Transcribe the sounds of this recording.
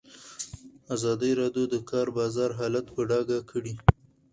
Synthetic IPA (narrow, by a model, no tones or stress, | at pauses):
azɑd̪əjɾɑd̪jod̪əkɑɾbɑzɑɾɦɑlat̪pəɖɑɡakʰəɽi